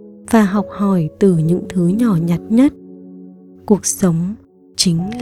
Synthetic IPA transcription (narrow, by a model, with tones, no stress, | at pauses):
v̥aː˨˩ɦɔ˨˩wk͡p̚hɔ˧˩jt̪ɨ˨˩ɲɨ̰˧˥ŋt̪ʰɨ˨˦ɲɔ˧˩ɲa˨˩t̚ɲə˦˥t̚ | ku˨˩ək̚sə˨˦wŋ͡m | t͡ɕï˨˦ŋ̟l